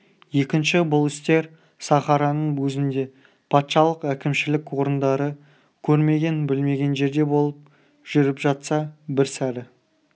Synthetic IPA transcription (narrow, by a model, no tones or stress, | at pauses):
je̞kʲɪnʃɪbʊlˠɪst̪e̞ɾ | sɑχɑɾɑnəɴwɵzɪnd̪e̞ | pʰɑt̪ʃɑlˠəqækʲɪmʃɪlɪkwo̞ɾənd̪ɑɾə | kʲʰɵɾme̞ɡʲe̞nbɪlme̞ɡʲe̞nʒe̞ɾd̪e̞bo̞lˠəp̚ | ʒ̥ʏɾɪpʒɑt̪sɑbɪɾsæɾɪ